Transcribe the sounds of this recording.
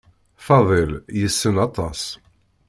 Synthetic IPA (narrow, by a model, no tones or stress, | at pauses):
fɑðˤeljəsːənɑt̪ˤɑs